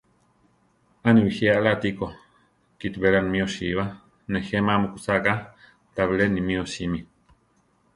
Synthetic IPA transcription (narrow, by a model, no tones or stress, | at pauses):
aniwihealat̪iko | kit̪beɾanmioʃiβa | nexemamukut͡saka | t̪aβilenimĩosimi